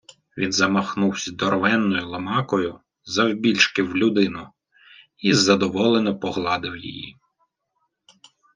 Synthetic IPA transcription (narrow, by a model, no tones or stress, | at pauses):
ʋʲinzɐmɐxnuwsʲɐd̪ɔrʋɛnːɔjʊlˠɐmɑkɔjʊ | zɐwbʲilʲt͡ʃkɪwlʲʊd̪ɪnʊ | izɐd̪ɔʋɔlˠenɔpɔɦlˠɑd̪ɪwjḭjḭ